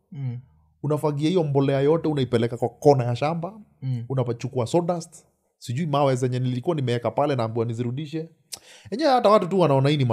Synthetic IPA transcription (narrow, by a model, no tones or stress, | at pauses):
unafaɡiahijɔmbɔlɛajɔtɛunaipɛlɛkakwakɔnajaʃambaunapat͡ʃukuasɔɗast | siʄuimawɛzɛɲɛnililikuwanimɛɛkapalɛnaːmbuaniziɾuɗiʃɛ | hɛɲɛwɛhatawatutuwanaɔnahinima